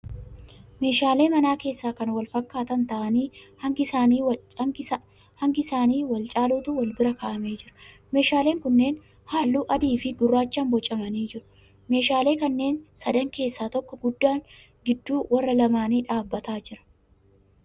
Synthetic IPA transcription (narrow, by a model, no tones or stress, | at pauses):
me̞ːʃaːle̞ːmɐnaːke̞ːsːaːkɐnwɐlfɐkːaːt̪ɐnt̪ɐʔɐniːhɐŋɡɪsaːniː | hɐŋɡɪɪsaːniːwɐlt͡ʃʼaːluːt̪ʊwɐlbɪɾɐkɐʔɐme̞ːd͡ʒɪɾɐ̥ | me̞ːʃaːle̞ːŋkʊnːeːn | haːlːuːʔɐd̪iːfɪɡʊrːaːt͡ʃːaːnbɔt͡ʃʼːɐmɐniːd͡ʒɪɾʊ̥ | me̞ːʃaːle̞ːkɐnːe̞ːnsɐd̪ɐŋke̞ːsːaːt̪ɔkːɔɡʊd̪ːaːŋ | ɡɪd̪ːuːwɐrːɐlɐmaːniːᶑaːbːɐt̪aːd͡ʒɪɾɐ̥